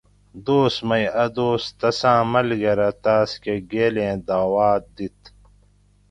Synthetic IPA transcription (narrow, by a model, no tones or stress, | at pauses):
d̪oːsmɐjɐd̪oːst̪ɐsãːmɐlɡɐɾɐt̪aːskeɡeːlẽːd̪aːwaːt̪̚d̪it̪